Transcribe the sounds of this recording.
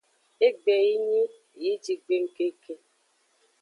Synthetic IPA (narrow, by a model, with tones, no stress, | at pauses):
e˦ɡ͡be˨ji˦ɲi˦˨ | i˦d͡ʒi˨ɡ͡be˦ŋ̩˦ke˦kʰe˦